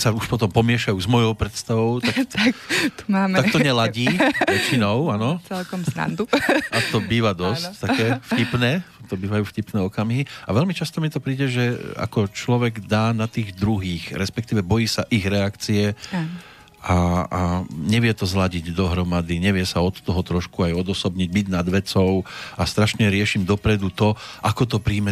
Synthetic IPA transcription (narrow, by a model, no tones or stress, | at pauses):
sauʃpɔt̪ɔmpɔmɪɛʃajuzmɔjɔʊpɾɛt̪st̪aʋɔʊt̪ak̪kt̪aːmt̪ak̚t̪ɔɲɛlaɟiːʋɛt͡ʃinɔʊanɔt͡sɛlkɔmsna̰nd̪uʔat̪ɔbiːʋad̪ɔsct̪akɛːfcipnɛːt̪ɔbiːʋajuːfcipnɛːɔkamɦiaʋɛʎmit͡ʃast̪ɔmit̪ɔpɾiːɟɛʒɛa̰kɔt͡ʃlɔʋɛɡd̪aːnat̪iːɣd̪ɾuɦiːxɾɛspɛkt̪iːʋɛbɔjiːsaʔiɣɾɛakt͡siɛ | aaɲɛʋɪɛt̪ɔzlaɟiɟd̪ɔɦɾɔmad̪iɲɛʋɪɛsaɔt̪t̪ɔɦɔt̪ɾɔʃkuajɔd̪ɔsɔbɲiɟ̚biɟnad̪ʋɛt͡sɔʊast̪ɾaʃɲɛɾɪɛʃimd̪ɔpɾɛd̪ut̪ɔʔakɔt̪ɔpɾiːmɛ